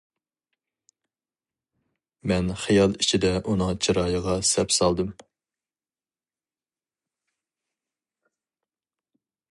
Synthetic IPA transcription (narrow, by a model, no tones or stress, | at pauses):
mɛnχijɑlˠit͡ʃʰid̪ɛʔunɨŋt͡ʃʰiɾɑːjəʁɑsɛpsɑlˠd̪ɨm